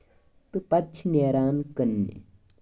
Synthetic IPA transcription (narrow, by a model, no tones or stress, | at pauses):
t̪ɨpɐt͡ʃʰneːɾaːnkɐnːḛ